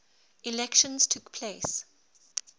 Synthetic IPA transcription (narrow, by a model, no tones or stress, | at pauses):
ilɛkʃə̃nz̥tʰukpʰleɪs